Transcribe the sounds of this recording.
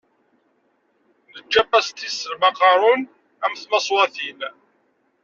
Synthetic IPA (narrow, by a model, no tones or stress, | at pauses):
ðəd͡ʒːæpːæst̪ːisːəlmɑqɑɾˤʊn | æmθmɑsˤwɑθil